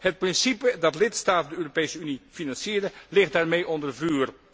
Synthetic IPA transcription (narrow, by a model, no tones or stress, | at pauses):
hət̚prɪnsipədɑtlɪtstaːtədəøːropejsəynifinɑnsiːɾəlɪχt̚daːrmejʔɔndərvryːr